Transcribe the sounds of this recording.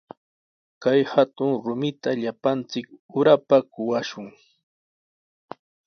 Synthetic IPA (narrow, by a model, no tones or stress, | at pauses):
kajhat̪ʊŋɾʊmɪt̪aʎapant͡sɪkʊɾapakʊwaʃʊŋ